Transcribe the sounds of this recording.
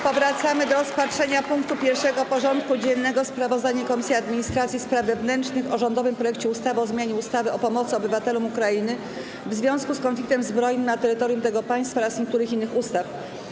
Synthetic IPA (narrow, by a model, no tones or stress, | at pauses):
pɔvɾat̪samɘd̪ɔɾɔspatʂɛɲapuŋkt̪upʲjɛɾfʂɛɡɔpɔʐɔnt̪kud͡ʑɛnːɛɡɔspɾavɔzd̪aɲɛkɔmʲisʲjiad̪mʲiɲist̪ɾat̪sʲjispɾavːɛvnɛnt͡ʂnɘxɔʐɔnd̪ɔvɘmpɾɔjɛk̚t͡ɕɛust̪avɘɔzmʲjaɲɛust̪avɘɔpɔmɔt̪sɘɔbɘvat̪ɛlumukɾainɘ | vzvʲjɔ̃w̃skuskɔnflʲikt̪ɛmzbɾɔjnɘmnat̪ɛɾɘt̪ɔɾjumt̪ɛɡɔpaj̃st̪faɔɾasɲek̚t̪uɾɘxinːɘxust̪af